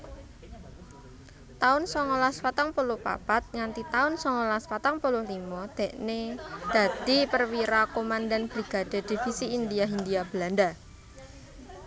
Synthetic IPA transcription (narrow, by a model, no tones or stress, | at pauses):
t̪aʊnsɔŋɔlaspat̪aŋpolʊhpa̰pat̪̚ŋant̪it̪aʊnsɔŋɔlaspat̪aŋpolʊhlimɔd̪̥e̤ʔned̪̥a̤d̪̥i̤pərwiɾakomand̪anb̥ɾiɡ̥a̤d̪̥e̤d̪̥i̤fisiːnd̪iaɦind̪iab̥əland̪a